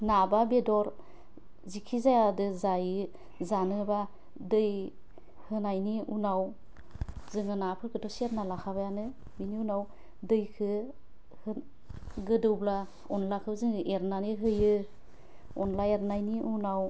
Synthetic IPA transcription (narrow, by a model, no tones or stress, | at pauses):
nababedɔɾ | zikʰizajadɯzajɯ | zanɯba | dɯj | hɯnajniunaw | zɯŋɯnapʰɯɾkʰɯdɔsiaɾnalakʰaβajanɯ | biniunaw | dɯjkʰɯ | hɯ | ɡɯdɯwbla | ɔnlakʰɯzɯŋɯʔeɾnaniɦɯjɯ | ɔnlaeɾnajniʔunaw